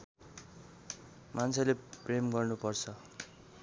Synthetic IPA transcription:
mant͡sʰʌlepremɡʌrnupʌrt͡sʰʌ

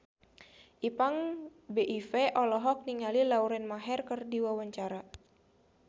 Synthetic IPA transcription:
ʔipaŋbeʔifɛʔɔlɔɦɔk̚niŋalilauɾɛnmaɦɛrkərdiwawaɲt͡ʃaɾa

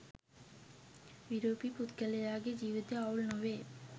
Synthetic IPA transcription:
biɾopiput̪kalejaɡed͡ʑiʋit̪eawlnoʋe

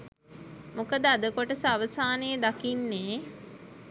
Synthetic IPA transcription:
mokəd̪əad̪əkoʈəsaʋəsaːnəjəd̪akinːeː

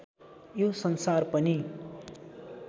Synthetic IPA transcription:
josʌnsarpʌni

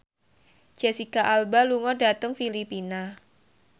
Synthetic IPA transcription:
d͡ʒ̥ɛsikaʔalbaluŋɔdat̪əŋfilipina

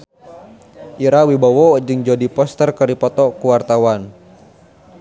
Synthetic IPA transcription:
ʔiɾawibawɔd͡ʒɨŋd͡ʒodipɔst̪ərkəɾipɔt̪ɔkuwart̪awan

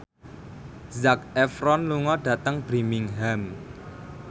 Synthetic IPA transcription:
zak̚ɛfɾɔnluŋɔɖ̥ä̤t̪əŋb̥ɾimɪŋɦam

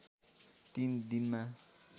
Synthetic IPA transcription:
t̪ind̪inma

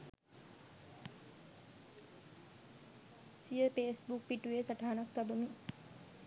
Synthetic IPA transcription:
sijəpeːsbukpiʈuʋeːsaʈaɦanakt̪abəmi

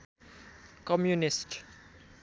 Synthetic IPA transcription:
kɔmjunɪst

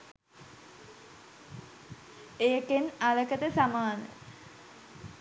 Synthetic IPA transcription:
eːkenaləkət̪əsamaːnə̰

